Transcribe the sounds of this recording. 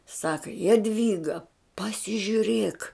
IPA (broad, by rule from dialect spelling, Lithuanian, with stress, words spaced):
ˈsɑːkɐ jɛˈdʲʋʲiːɡɐ pɐsʲɪʒʲʊˈrʲeːk